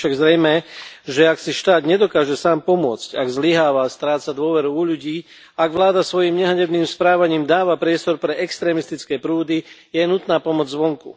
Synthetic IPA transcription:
ʃaɡzɾɛjmɛʒɛaksiʃt̪aːd̪ɲɛd̪ɔkaːʒɛsaːmpɔmʊɔt͡sca̰ɡzliɦaːʋast̪ɾaːt͡sad̪ʊɔʋɛɾuuʎuɟiː | aɡʋlaːd̪asʋɔjimɲɛɦaɲɛdniːmspɾaːʋaɲiːmd̪aːʋapɾɪɛst̪ɔɾpɾɛɛkst̪ɾɛːmist̪it͡skɛːpɾuːd̪ijɛnut̪naːpɔmɔd͡zzʋɔŋkṵ

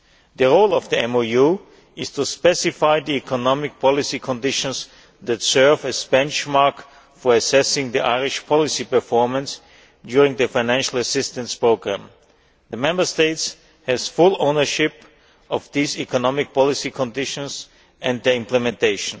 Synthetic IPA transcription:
ðəɹoʊlˠɔvðiɛ̃moju | ɪz̥tʰuspɛsɪfaɪðiikʰɔnɔmɪk̚pʰɑlɪsikʰɔ̃ndɪʃə̃ns | ðætsɜ˞vɨzbɛ̃nt͡ʃmaɹk | fɔɹɨsɛsɪ̃ŋðiʔa̰ɪɹɪʃpʰɔlɪsipə˞fɔɹmə̃ns | djʊɹɪ̃ŋðəfaɪnæ̃nʃl̩ˠəsɪstə̃nspɹoʊɡɹæ̃m | ðəmɛ̃mbə˞steɪts | hɛz̥fʊlˠõʊ̃nə˞ʃɪp | ɔfðiːzikʰɔnɑmɪk̚pʰɔlˠɪsikʰɔ̃ndɪʃə̃ns | ʔɛ̃nd̪̚ðə˞ɪ̃mplɛmɛ̃ntʰeɪʃə̃n

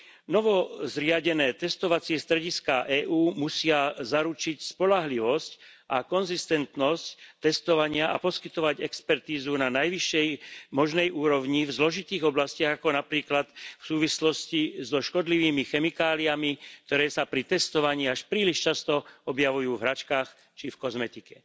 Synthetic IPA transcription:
nɔʋɔzɾɪaɟɛnɛːt̪ɛst̪ɔʋat͡sɪɛst̪ɾɛɟiskaːʔɛːʔuːmusɪazaɾut͡ʃicspɔlaɦliʋɔscʔakɔnzist̪ɛnt̪nɔsct̪ɛst̪ɔʋaɲɪaʔapɔskit̪ɔʋaɟɛkspɛɾt̪iːzunanajʋiʃːɛjmɔʒnɛjʔuːɾɔʋɲivzlɔʒit̪iːɣɔblascɪaɣakɔnapɾiːklat̪fsuːʋislɔscizɔʃkɔd̪liʋiːmixɛmikaːliamik̚t̪ɔɾɛːsapɾit̪ɛst̪ɔʋaɲiːaʃpɾiːliʃt͡ʃast̪ɔɔbjaʋujuːvɦɾat͡ʃkaːx | t͡ʃifkɔzmɛt̪ikɛ

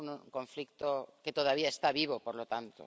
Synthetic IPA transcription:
nkoɱflikt̪oket̪oð̞aβiaest̪aβiβ̞opoɾlot̪ant̪o̰

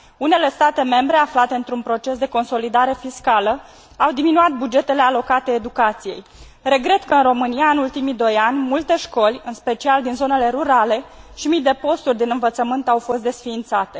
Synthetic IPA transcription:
une̞le̞st̪at̪e̞me̞mbɾe̞aflat̪e̞ɨnt̪ɾunpɾo̞t͡ʃe̞sd̪e̞ko̞nso̞lid̪aɾe̞fiskalə | awd̪iminuat̪̚bud͡ʒe̞t̪e̞le̞alo̞kat̪eːd̪ukat̪sije̞̰j | re̞ɡɾe̞t̪kəɨnro̞mɨniaɨnult̪imid̪o̞janʲmult̪e̞ʃko̞lʲɨnspe̞t͡ʃiald̪inzo̞ne̞le̞ɾuɾale̞ʃimit̪d̪e̞po̞st̪urʲd̪inɨnvət̪səmɨnt̪awfo̞st̪d̪e̞sfiːnt̪sat̪e̞

